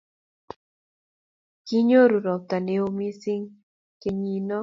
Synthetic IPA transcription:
ki˦ɲo˦ɾu˨ɾɔ˨k̚t̪a˨ne˦o˦mi˦si˦ŋ | ke˨ɲi˨nɔ˦

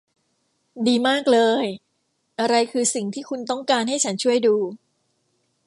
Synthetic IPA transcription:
diː˧maː˥˩k̚lɤː˧j | ʔa˧ɾa˧jkʰɯː˧si˨˩ŋt̪ʰiː˥˩kʰu˧nt̪ɔ˥˩ŋkaː˧nɦa˥˩jt͡ɕʰa˦˥nt͡ɕʰu˥˩əjduː˧

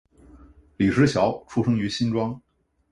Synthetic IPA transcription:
li˨˩ʂɻ̩˧˥ɕjɑ˧˥ʊʈ͡ʂʰu˥ʂɤ˥ŋy˧˥ɕi˥nʈ͡ʂwɑ˥ŋ

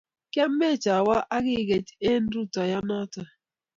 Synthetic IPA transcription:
kɛ˦m˦mɛ˦˨t͡ʃa˨wa˦ʔa˦ɡɪ˦˨ɣe˨te˦n̩˦ɾu˦ta˨ja˦na˦ta˨

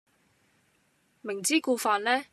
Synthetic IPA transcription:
mɪ˨˩ŋt͡siː˥kuː˧faː˧nlɛː˥

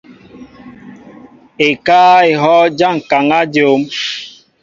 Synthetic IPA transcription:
e˨kaː˦e˨ɦɔ˦d͡ʒa˦˨ŋ̩˨ka˨ŋa˦d͡ʒo˨˦m

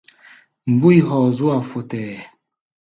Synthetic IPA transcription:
m̩˨bu˦i˨ɦɔ˨zu˦a˨fo˨tɛː˨

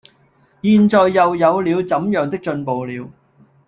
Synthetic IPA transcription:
jiː˨˧nt͡sɔː˨jːɐ˨wjɐ˨˧wliː˨˧wt͡sɐ˨˥mjœː˨ŋt̪ɪ˥k̚t͡ʃɵ˧npo˨wliː˨˧w

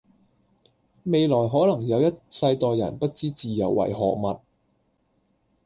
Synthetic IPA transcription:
me˨˧jlɔː˨˩jɦɔː˨˥lɐ˨˩ŋjɐ˨˧wjɐ˥t̚sɐ˧jt̪ɔː˨jːɐ̰˨˩npɐ˥t̚t͡siː˥t͡siː˨jɐ̰˨˩wːɐ̰˨˩jɦɔ̰ː˨k̚mɐ˨t̚

